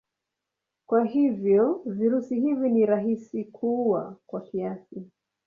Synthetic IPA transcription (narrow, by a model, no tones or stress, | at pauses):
kwaɦivjɔviɾusihiviniɾaɦisikʰuwa̰kwakiasi